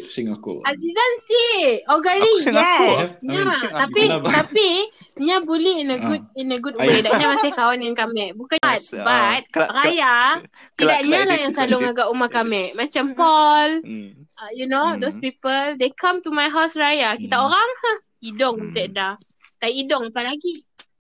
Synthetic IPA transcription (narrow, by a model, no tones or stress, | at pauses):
azizansiɔɡaɹijɛsɲat̪apit̪apiɲabulɛhinəɡud̚inəɡud̚wedaɲãmasɪhkawanɪnkamɛʔ̚bukaat̪̚bat̪̚ɾaja | t̪idaʔɲalahjaŋsalʊŋaɡaʔumakamɛʔmat͡ʃampɔl | junod̪ospipəldekʰãmtumajɦawsɹajakit̪aoɾaŋa | idɔŋisada | t̪aiʔidɔŋapalaɡi